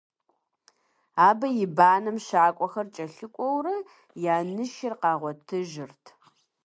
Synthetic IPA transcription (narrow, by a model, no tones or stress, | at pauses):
aːbɐjɪbaːnɐmʃaːkʷʼɔxɐrt͡ʃʼɐɬɨkʷʼɔwrɐ | jaːnɨʃɪrqɑːʁʷɔtʰɨʒɪrtʰ